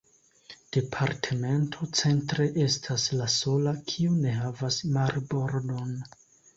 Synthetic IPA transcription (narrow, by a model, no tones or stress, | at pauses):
d̥e̞pʰaɾtʰe̞me̞ntʰo̞t͡se̞ntɾe̞ʔe̞stʰaslaso̞lakʰiune̞ɦavasmaɾbo̞ɾdo̞n